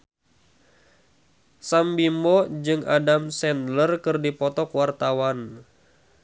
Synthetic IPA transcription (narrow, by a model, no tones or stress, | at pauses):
sambimɔd͡ʒɨŋʔa̰damsɛnlərkɨrdipɔt̪ɔkwart̪awan